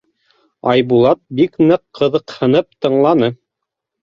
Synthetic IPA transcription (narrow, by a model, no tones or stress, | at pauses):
ɑjbulˠɑt̪̚biknɤqːɤ̆ðɤ̆qhɤ̆nɤp̚t̪ɤ̆ɴlˠɑnɤ